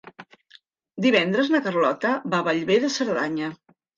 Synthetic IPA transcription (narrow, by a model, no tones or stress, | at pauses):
d̪iβɛnd̪ɾəznəkərlɔt̪əβaβəʎβeðəsəɾðaɲə